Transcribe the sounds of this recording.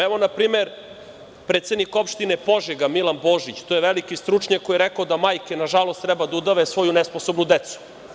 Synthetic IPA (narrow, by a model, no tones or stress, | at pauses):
ɛʋo̞napɾiːmeɾ | pɾeːt̪se̞d̪nikopʃt̪inepoʒeɡamilanbo̞ːʒit͡ɕt̪ojeʋelikist̪ɾut͡ʂɲakkːojeɾekaod̪amaːjkenaʒalo̞st̪ːɾɛbad̪aud̪aʋesʋo̞junɛsposo̞bnud̪et̪su̥